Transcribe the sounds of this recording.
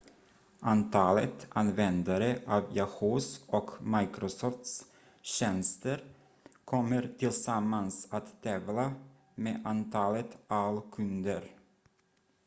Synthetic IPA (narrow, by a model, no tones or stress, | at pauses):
ʔant̪ʰɑːlət̪ʔanvɛnd̪aɾəʔɑːvjahoːsɔkmajkɾɔsɔft̪s | ɕɛnst̪əɾ | kʰɔmːəɾt̪ʰɪlsamːansat̪ːɛːvla | meːʔant̪ʰɑːlət̪alkʰɵnd̪əɾ